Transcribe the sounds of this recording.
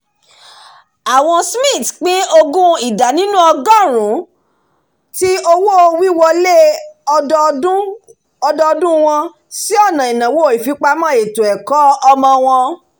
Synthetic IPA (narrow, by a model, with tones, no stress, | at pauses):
a˨w̃ɔ̃˧smĩ˦˨tk͡pĩ˦o˧ɡũ˦i˦˨da˨nĩ˨˦nũ˦ɔ˧ɡã˦˨ɾ̃ũ˨˦ | ti˦o˧wo˦o˧wi˦wɔ˧le˦˧ | ũ˦ | ɔ˧dɔ˧dũ˦w̃ɔ̃˧ | si˦ɔ˦˨nã˨i˨nã˨wo˦˨i˨fi˨˧˦k͡pa˧mã˦˨e˨to˨ɛ˨kɔ˨˦ɔ˧mɔ̃˧w̃ɔ̃˧